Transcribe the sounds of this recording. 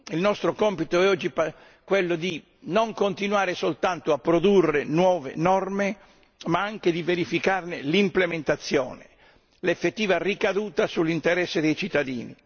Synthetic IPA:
ilnɔst̪ɾokɔmpit̪oɛɔd͡ʒːipa | kwelːod̪i | noŋkont̪inwaːɾesolt̪ant̪oapːɾod̪urːenwɔːvḛnɔrme | maaŋk̟ed̪iveɾifikarnelimplement̪at̪sːjɔ̰ːne | lefːet̪ːiːvarikad̪uːt̪asulːint̪eɾɛsːed̪ejt͡ʃit̪ːad̪iːnḭ

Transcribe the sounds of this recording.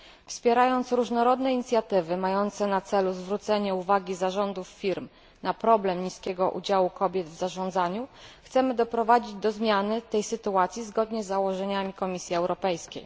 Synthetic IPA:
fspʲjɛɾajɔnt̪sɾuʐnɔɾɔd̪nɛiɲit̪sʲjat̪ɘvɘmajɔnt̪sɛnat̪sɛluzvɾut̪sɛɲɛuvaɡʲizaʐɔnd̪ufːʲiɾm | napɾɔblɛmɲiskʲɛɡɔʔṵd͡ʑawukɔbʲjɛd̪vzaʐɔnd̪zaɲuxt̪sɛmɘd̪ɔpɾɔvad͡ʑid͡ʑd̪ɔzmʲjanɘt̪ɛjsɘt̪uat̪sʲjizɡɔd̪ɲɛzːawɔʐɛɲamʲikɔmʲisʲjiɛwɾʔɔpɛjskʲḛj

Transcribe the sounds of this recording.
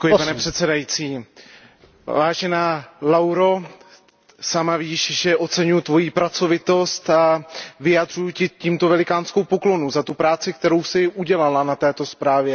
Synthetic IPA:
ɛkujɪpanɛpr̥ɛt̪sɛdajiːt͡siː | vaːʒɛnalawɾo̞ | samaviːʃʒɛʔo̞t͡sɛɲujʊt̪vo̞jiːpɾat͡so̞vɪt̪o̞st̪avɪjad̪r̝ujucɪciːmt̪ovɛlɪkaːnskowpo̞klo̞nuzat̪upɾaːt͡sɪk̚t̪ɛɾo̞wsɪʔuɟɛlalanat̪ɛːt̪o̞spɾaːvjɛ

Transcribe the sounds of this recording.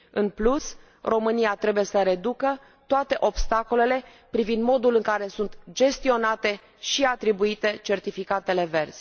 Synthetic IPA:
ɨnplus | ro̞mɨniat̪ɾe̞buje̞səɾe̞d̪ukə | t̪oat̪e̞ʔo̞bst̪ako̞le̞le̞ | pɾivind̪mo̞d̪ulɨŋkaɾe̞sunt̪d͡ʒe̞st̪io̞nat̪e̞ | ʃiat̪ɾibuit̪e̞t͡ʃe̞rt̪ifikat̪e̞le̞ve̞rz̥ʲ

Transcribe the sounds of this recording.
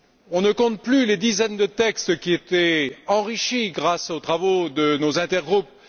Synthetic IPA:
ɔ̃nəkɔ̃t̪plyled̪izɛnd̪ət̪ɛkst̪kʲiet̪ɛɑ̃ʁiʃiɡʁasot̪χavod̪ənozɛ̃t̪ɛʁɡʁup̚

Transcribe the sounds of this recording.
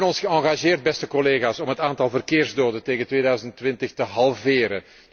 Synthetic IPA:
nɔnsxəɑŋɣaʒeːrd̚bɛstəkɔleːɣaːsɔmɦətaːntɑlˠvərkeːrzdoːdəteːɣəntʋeːdœɥzəntʋɪntəxtəɦɑlˠveːɾə̰

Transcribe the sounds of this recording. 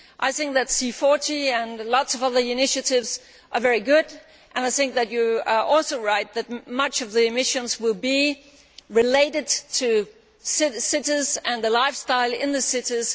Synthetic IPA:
ʔaɪθɪ̃ŋk̚ðɨtsifɔɹɾiɨ̃nlɔtsʌvʌðə˞ɨnɪʃɨɾɪvz̥ | ʔə˞vɛɹiɡʊɾ | ʔɨ̃naɪθɪ̃ŋk̚ðɨt͡ʃɨɔlˠsoʊɹaɪt̪̚ðɨt̚mʌt͡ʃʌvðiɨmɪʃɨ̃nzwɪlˠbi | ɹɨleɪɾɨd̚tʰɨ | sɪsɪɾəzɨ̃nðəlaɪfstaɪlˠɪ̃nðɨsɪɾɪz̥

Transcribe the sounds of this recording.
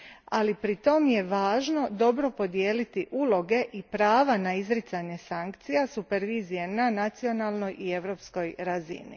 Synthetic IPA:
alipɾit̪o̞mje̞ʋaːʒno̞d̪o̞bɾo̞po̞d̪jeːlit̪iʔuːlˠo̞ɡe̞ʔipɾaːʋanaizɾit̪saɲe̞saŋkt̪sijasupe̞ɾʋiːzijenanat̪sio̞nalˠno̞jʔie̞ʋɾo̞ːpsko̞jɾazḭnḭ

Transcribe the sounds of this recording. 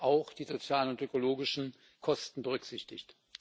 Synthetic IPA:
ʔaʊxd̥iːzot͡sjaːlənʊntøkoloːɡɪʃn̩ | kʰɔstn̩bəʁʏkz̥ɪçtɪçt

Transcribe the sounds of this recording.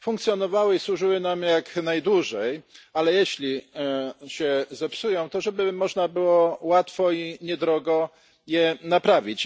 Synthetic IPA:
fuŋkt̪sʲjɔnɔvawɘiswuʐɘwɘnamjaknajd̪wuʐɛjalɛjɛɕlʲi | ɕɛzɛpsujɔ̃w̃t̪ɔʐɛbɘmɔʐnabɘwɔwat̪fɔiɲɛd̪ɾɔɡɔ | jɛnapɾavʲit͡ɕ

